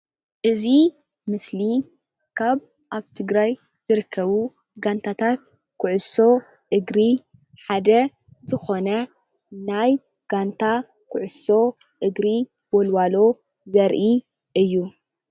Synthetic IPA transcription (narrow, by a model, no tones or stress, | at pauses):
ʔɨzi | mɨsli | kʰaβ | ʔaβt̪ʰɨɡɾaj | z̥ɨɾɨkʰːɐβu | ɡant̪ʰat̪ʰat̪ | kʰʊʕʊso̞ | ʔɨɡɾi | ħad̪ɐ | zɨxo̞nɐ | naj | ɡ̥ant̪ʰa | kʰʊʕʊso̞ | ʔɨɡɾi | b̥olwalo̞ | zɐɾʔi | ʔɨjːu